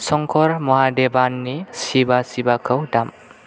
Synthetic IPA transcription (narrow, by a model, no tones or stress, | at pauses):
sɔŋkʰɔɾmɔɦadebanːisibasibakʰɔwdam